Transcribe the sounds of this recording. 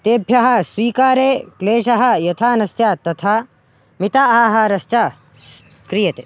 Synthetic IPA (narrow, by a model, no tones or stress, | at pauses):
t̪eːbʱjɐɦɐ̆sʋiːkaːɾeːkleːʃɐɦɐ̆jɐt̪ʰaːnɐsjaːt̪ɐt̪ʰa | mit̪aaːɦɐɾɐst͡ʃa | kɾijɐt̪ḛ